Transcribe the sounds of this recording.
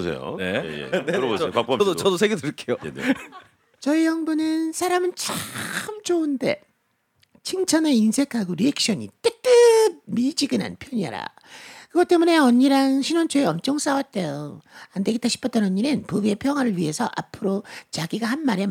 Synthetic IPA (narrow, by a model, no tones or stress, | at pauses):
sḛjo̰n̰ | doʌdosʰeɡedɯɭk͈ejo | t͡ɕʌijʌŋbunɯnsʰaɾamɯnt͡ɕaɯmt͡ɕounde̞̰ | t͡ɕʰiŋt͡ɕʰʌnainsʰe̞kʰaɡoɾiek̚ʰɕ͈ʌɲḭt͈et͈ɯmid͡ʑiɡɯna̰npʰjʌɲia̰ɾa̰ | kɯɡʌt͈e̞mune̞ʌɲːiɾaŋɕʰinwʌnt͡ɕʰoeʌmt͡ɕ͈ʌŋs͈awat̚t͈ejoandeɡet͈aɕʰi̥pʰʌt͈ʌnʌɲːinɯnpubie̞pʰjʌŋɦwaɾɯɭɥiɦe̞sʰʌʔa̰pʰɯɾot͡ɕaɡiɡahanmaɾe